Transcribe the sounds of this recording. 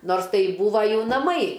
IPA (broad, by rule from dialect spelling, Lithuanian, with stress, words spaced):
ˈnoːrs ˈtɐɪ ˈbuːʋɐ ˈjuː nɐˈmɐɪ